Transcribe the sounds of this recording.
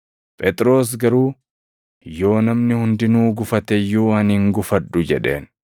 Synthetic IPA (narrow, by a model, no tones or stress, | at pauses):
pʼɛt̪ʼɾo̞ːs̬ɡɐɾuː | jo̞ːnɐmnɪhʊnd̪ɪnuːɡʊfɐt̪ɛjːuːɐnhɪŋɡʊfɐᶑːʊd͡ʒɛᶑe̞̰ːn